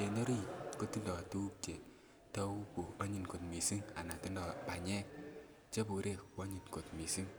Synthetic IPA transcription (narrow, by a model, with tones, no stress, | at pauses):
e˨nɔ˦ɾi˦ko˦ti˦ndɔ˨tu˦p̚t͡ʃe˨ | tɔ˦wu˦ku˨ɔ˦ɲi˨nko˨t̚mi˨si˦ŋa̰˨na˨ti˦ndɔ˨pa˨ɲɛ˦k | t͡ʃe˦bu˨ɾe˦kwɔ˦ɲi˨nko˨t̚mi˨si˦ŋ